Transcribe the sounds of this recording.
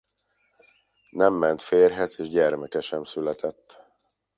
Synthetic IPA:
nɛmːɛnt̪feːrɦɛzeːʒɟɛrmɛkɛʃɛmsylɛt̪ʰɛt̪ː

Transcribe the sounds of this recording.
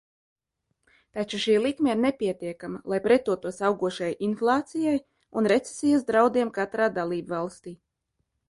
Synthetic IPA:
t̪at͡ʃuʃiːlˠikmɛiɾnepʲiɛt̪iɛkamalˠajpɾɛt̪uɔt̪uɔsawɡuɔʃajʔinflˠɑːt̪sijaj | unɾet̪se̥sijasd̪ɾawd̪iɛmkat̪ɾaːd̪alˠiːbvalˠst̪iː

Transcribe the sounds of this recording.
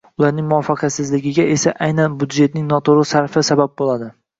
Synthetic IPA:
ʊlaɾnɪŋmʊɒfːɑqʰɑsɪzlɪɡʲɪɡʲae̞saʔajnanbʊd̪d͡ʒe̞t̪nɪŋnɒt̪ʰoɾɪsaɾfɪsabap̚bolˠad̪ɪ

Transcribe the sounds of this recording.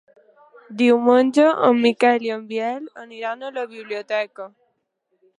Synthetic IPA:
d̪iwmənʲd͡ʒəʔəmːikɛljəmbjɛləniɾanələβiβliot̪ɛkə

